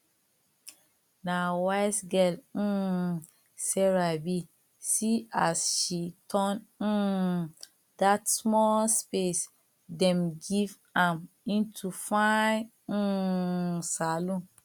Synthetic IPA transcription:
nawaɪsɡɛl̩ | sɛɹabi | siasʃitʰɔ̃n̩ | datsmɔlspes | dɛ̃mɡiv | ãm | ĩntʰufãn̩ | salõ

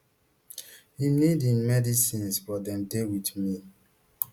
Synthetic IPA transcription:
hinidĩnmɛdisĩnsbɔdɛ̃mdewidmi

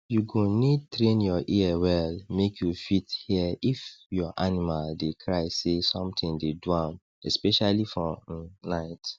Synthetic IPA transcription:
juɡõnid̚tɹẽnjɔʔiɛwɛlmekjufithiifjɔʔanimaldekʰɹaɪsesɔ̃mtʰĩŋdeduãm | ɛspɛʃalifɔnaɪt

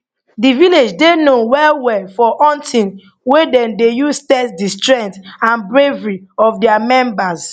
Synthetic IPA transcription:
diviled͡ʒdenowɛwɛfɔʔɔ̃ntʰĩn | wedɛ̃ndejustɛsdistɹɛ̃ntãnbɹevɹiɔfdɛamɛ̃mbas

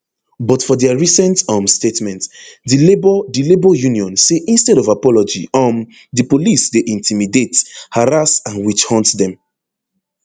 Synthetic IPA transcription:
bɔtfɔdɛaɹisɛ̃ntɔ̃mstetmɛ̃ntdilebɔdilebɔjuniɔ̃nseʔĩnstɛɾɔvapɔlɔd͡ʒḭɔ̃m | dipolisdeʔĩntʰimidethaɾasãnwit͡ʃhɔ̃ntdɛ̃m

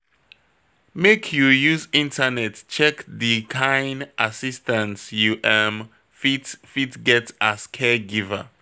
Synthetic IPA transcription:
mekʰjujuzĩntanɛtt͡ʃɛkdikʰãjnʔasistãntjuʔɛm | fitfitɡɛtaskʰɛɡiva̰

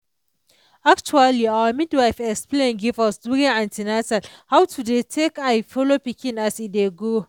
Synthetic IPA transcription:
ak̚t͡ʃualiawəmidwajfɛksplẽnɡivalsduɾeãntinatalhawtʰudetʰekajfɔlopikĩnasideɡo

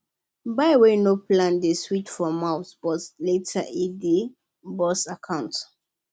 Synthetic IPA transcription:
baɪwenoplãndeswitfɔmaʊsb̥ɔtletʰaʔidi | bɔsakʰãʊ̃nt

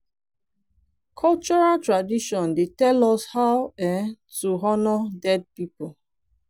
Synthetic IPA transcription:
kʰɔlt͡ʃɔɹatɹadiʃɔ̃ndetɛlɔshaʊɛn | tuɦɔnɔdɛd̚pipo

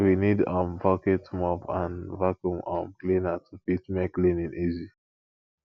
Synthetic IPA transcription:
winidɔ̃mvɔketmɔbãnvakjumɔ̃mklinatufitmɛklĩnĩnizi

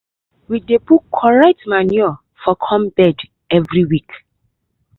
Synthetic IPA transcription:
widebukʰːɔɹɛtmaniɔ | fɔkʰɔ̃mbɛd | ɛvɹiwik

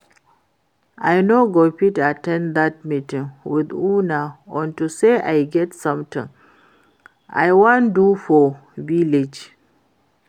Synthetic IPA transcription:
ʔajnoɡopitatɛ̃nd̪at̚mitĩŋwiðunaɔ̃ntuseʔajɡɛtsʌ̃mt̪ʰḭ̃ŋ | a̰jwãndufɔviled͡ʒ

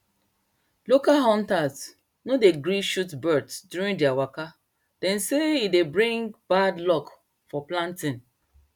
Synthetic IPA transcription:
lokaɦɔ̃ntaz | nodeɡɹĩʃutbɜdsdjuɹĩndiawaka | d̥ɛ̃nseidebɹĩŋɡbadlɔk | fɔplãntĩn

